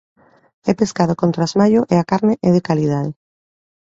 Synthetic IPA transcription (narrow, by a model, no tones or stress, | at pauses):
ɛpeskað̞okont̪ɾazmaʎoʔeakaɾneʔɛð̞ekaliðaðe